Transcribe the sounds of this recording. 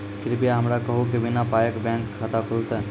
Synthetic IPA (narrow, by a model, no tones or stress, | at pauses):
kɪɾpijaɦəmɾakɐɦukiʋɪnapaːjəkbɛ̃ːŋkʰːat̪akʰʊlt̪ɛ